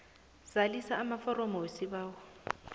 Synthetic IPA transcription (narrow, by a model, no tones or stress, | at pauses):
z̥alisaːmafɔrɔmɔwesiβaːwɔ